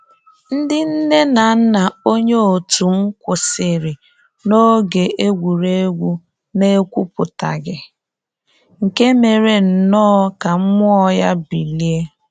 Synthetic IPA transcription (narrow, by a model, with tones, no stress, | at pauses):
n̩˦dɪ˦n̩˦ne˦na˨n̩˦na˨o˦ɲe˦o˨tu˨ŋ̩˦kʷʊ˨sɪ˨ɾɪ˨ | no˦ɡe˨e˦ɡʷu˨ɾe˦ɡʷu˦ | ne˦kʷu˦pʊ˨ta̰˨ɡɪ˨ | ŋ̩˨ke˦me˨ɾe˨n̩˨nɔː˦ka˨m̩˦mʊ˦ɔ˦ja˦bi˨li˦e˦